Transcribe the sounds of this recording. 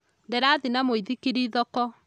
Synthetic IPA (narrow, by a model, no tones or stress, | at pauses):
ndeɾaðinamoiðikiɾiðɔkɔ